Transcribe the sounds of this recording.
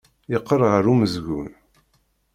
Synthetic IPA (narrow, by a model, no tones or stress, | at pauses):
jəqːərˤʁəɾuməzʝun